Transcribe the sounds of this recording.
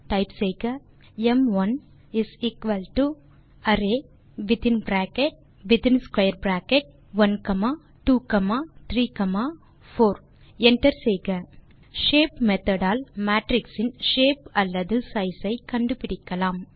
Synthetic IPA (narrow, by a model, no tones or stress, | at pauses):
ʈɐɪpsɛjɣɐ | ɛmʋɐn | ɪsiːkʋɐlʈu | ɐɾeː | ʋɪt̪ɪ̃nbɾaːkɛʈ̚ | ʋɪt̪ɪnskwɐɪɐɾbɾaːkɛʈ̚ | ʋɐnkɐmaː | ʈuːkɐmaːt̪ʰɾiːkɐmaː | foːɾ | ɛɳʈɐɾsɛjɣɐ | ʃeːpmɛt̪ɐɽaːlmaːʈɾɪksɪnʃeːpɐlːɐðɯsɐɪsɐɪkɐɳɖɯpɪɽɪkːɐlaːm